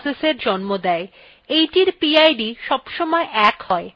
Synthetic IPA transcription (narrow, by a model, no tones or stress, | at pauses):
seseɾd͡ʑɔnmod̪ɛe | ejʈiɾpiajɖiʃɔbʃɔmɔeʔɛkhɔe